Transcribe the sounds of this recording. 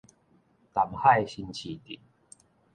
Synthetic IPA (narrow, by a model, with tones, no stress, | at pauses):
t̪a˨˩mha˥˧jɕi˧nt͡ɕʰi˨˩t̪ḭ˨t̚